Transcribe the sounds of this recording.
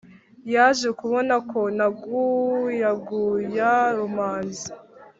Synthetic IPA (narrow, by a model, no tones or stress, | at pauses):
jaʒekuβo̞nakʰo̞naɡujaɡujaɾumaːnzi